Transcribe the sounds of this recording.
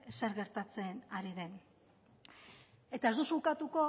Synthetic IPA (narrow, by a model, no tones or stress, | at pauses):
seɾɣe̞ɾt̪at͡se̞naɾiðe̞n | e̞t̪ae̞zd̪usukat̪uko̞